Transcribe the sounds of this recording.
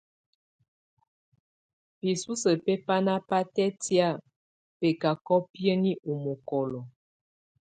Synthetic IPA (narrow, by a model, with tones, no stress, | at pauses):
pi˨su˦sə˨pe˦pa˦na˦pa˦tɛ˦tja˦˨ | pe˨ka˨kɔ˦pjə˦ni˦ʔu˨mɔ˨kɔ˨lɔ˨